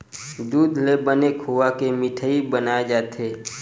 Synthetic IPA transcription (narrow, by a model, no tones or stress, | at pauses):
d̪uːd̪ʱlebənekʰɦuʋakemɪʈʰəibənaːed͡ʒaːt̪eː